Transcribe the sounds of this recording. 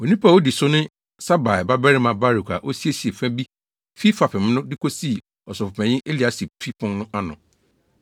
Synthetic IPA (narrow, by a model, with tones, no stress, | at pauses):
wo˨nĩ˦pʰa˨o˦di˨sʊ˦nɪ̃˦ | sa˦ba˨ɛ˨ba˦bɛ˦ɾɪ˦mã˨ba˦ɾu˨kʰʷa̰˨ʔo˦si˦e˦si˨e˨fɛ̃˦bi˦ | fi˦fa˨pʰɪ̃˨m˦nʊ̃˦dɪ˦kʰo˦si˦˨ | ɔ˨sɔ˨fʊ˨ɛ̃˨ɲɪ̃˦ʔe˦li˨a˨˦si˨pʰi˦pʰʊ̃˦nnʊ̃˦ʔa˦nʊ̰̃˨